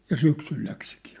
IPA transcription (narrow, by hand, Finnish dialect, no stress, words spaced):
jɑ syksyl læksikiː